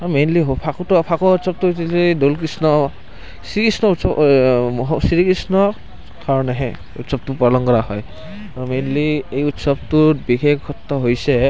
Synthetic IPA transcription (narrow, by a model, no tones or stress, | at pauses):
mejnliɦpʰakutupʰakɔutsɔb̚tutilidolkɹisnɔ | sikɹisnɔɔ | sɾikisnɔ | kʰaɹɔnɛɦɛ̃ | utsɔb̚tupɔlɔŋkɔɾaɦɔj | ɔmejnliejutsɔb̚tubikʰeɡʰɔt̪ːɔɦojsɛ